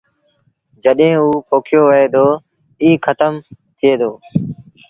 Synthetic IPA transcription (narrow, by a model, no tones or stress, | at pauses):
d͡ʒəɗɦẽːuːpʰoːkʰjoːʋəeːd̪oː | iːkʰət̪əmt̪ʰɪeːd̪oː